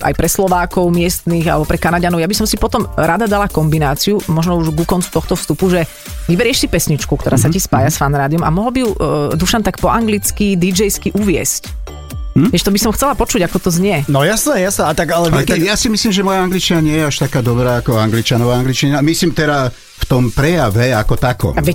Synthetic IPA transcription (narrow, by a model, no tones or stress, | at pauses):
ʔa̰jpɾɛslɔʋaːkɔʊmɪɛst̪niɣa̰lɛbɔpɾɛkanaɟanɔʊabisɔmsipɔt̪ɔmɾad̪ad̪alakɔmbinaːt͡siumɔʒnɔuʒɡukɔnt͡su̥t̪ɔxt̪ɔfst̪upuʒɛ | ʋibɛɾɪɛʃsipɛsɲit͡ʃkukt̪ɔɾaːsacispaːjasfanɾaːd̪ijɔma̰mɔɦlbiɦud̪uʃant̪akpɔʔaŋɡlit͡skid̪id͡ʒɛjskiʔuʋɪɛ̰sc | ʋɪɛʃt̪ɔbisɔmxt͡sɛlapɔt͡ʃuɟakɔt̪ɔzɲɪɛnɔjasnɛjasɛat̪aɡalɛɛjasimislimʒɛmɔjaaŋɡlit͡ʃinaɲɪɛjɛaʃt̪akaːd̪ɔbɾaːakɔaŋɡlit͡ʃanɔʋaːaŋɡlit͡ʃiɲinamisliːmt̪ɛɾa | ft̪ɔmpɾɛjaʋɛakɔt̪akɔ̰ʋɛc